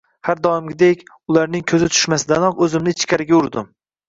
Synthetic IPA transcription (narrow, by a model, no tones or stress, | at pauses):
haɾd̪ɒwɪmɡʲɪd̪ekʲ | ʊlˠaɾnɪŋkʰɵzɪt̪ʰʊ̥ʃmasɪd̪anɒqɵzɪmnɪt͡ʃʰkʲaɾɪɡʲaʊɾd̪ɪm